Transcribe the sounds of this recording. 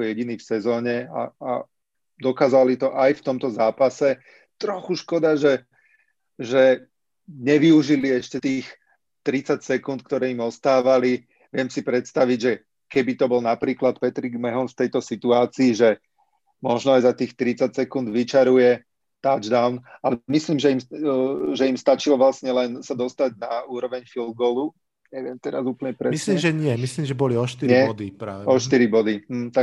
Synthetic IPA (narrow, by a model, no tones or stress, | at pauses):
ɔjɛɟiniːfsɛzɔːɲɛa̰a | d̪ɔkaːzɔalit̪ɔʔajft̪ɔmt̪ɔzaːpasɛ | t̪ɾɔxuʃkɔd̪aʒɛ | ʒɛ | ɲɛʋiuʒiliɛʃcɛt̪iːx | t̪ɾit͡sacsɛkunt̪̚k̚t̪ɔɾɛːimɔst̪aːʋali | ʋɪɛmsipɾɛt̪st̪aʋiɟʒɛ | kɛbit̪ɔbɔlnapɾiːklat̪pɛt̪ɾiɡmɛɦɔnft̪ɛjt̪ɔsit̪uaːt͡siːʒɛ | mɔʒnɔajzat̪iːxt̪ɾit͡sacsɛkund̪ʋit͡ʃaɾujɛ | t̪ad͡ʒd̪aʊnalɛmisliːmʒɛim | ʒɛimst̪at͡ʃilɔʋlasɲɛlɛnsad̪ɔst̪aɟnauːɾɔʋɛɲfilˠd̪̚ɡɔːlu | ɲɛʋɪɛmt̪ɛɾazuːpl̩ɲɛpɾɛilimʒɛɲɪɛmisliːmʒɛbɔliɔʃt̪iɾɲɪɛd̪ipɾaːʋɔʃtt̪iɾibɔd̪it̪a